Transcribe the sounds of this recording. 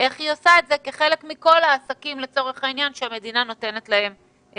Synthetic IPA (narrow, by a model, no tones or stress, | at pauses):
ʔe̞χhiosaetzeke̞χe̞le̞kmiko̞laːsakimle̞t͡so̞ʁeχainjanʃeame̞dinano̞te̞ne̞tlae̞m